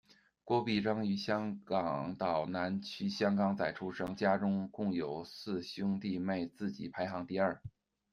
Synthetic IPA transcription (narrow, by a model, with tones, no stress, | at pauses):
kwɔ˥pi˥˩ʈ͡ʂɤ˥ŋy˧˥ɕjɑ˥ŋkɑ˨˩ŋt̪ɑ˨˩ʊna˧˥nt͡ɕʰy˥ɕjɑ˥ŋkɑ˧˩ŋt͡sa˥˩ɪʈ͡ʂʰu˥ʂɤ˧˥ŋt͡ɕja˥ʈ͡ʂʊ˥ŋkʊ˥˩ŋjo˨˩ʊsɹ̩˥˩ɕjʊ˥ŋt̪i˥˧me˥˧ɪt͡sɹ̩˥˩t͡ɕḭ˨˧˩pʰa˧˥ɪxɑ˧˥ŋt̪i˥˧ɐ˞˥˩